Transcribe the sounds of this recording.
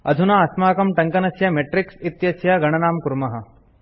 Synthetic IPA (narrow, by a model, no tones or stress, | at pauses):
ɐ̰d̪ʱunaɐsmaːkɐmʈɐŋkɐnɐsjɐmeʈɾɪksit̪jɐsjɐɡɐɽ̃ɐnaːmkuɾmɐɦɐ̆